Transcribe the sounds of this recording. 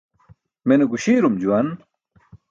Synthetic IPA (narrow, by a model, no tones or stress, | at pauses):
meneɡuɕiːɾumd͡ʑuwɐn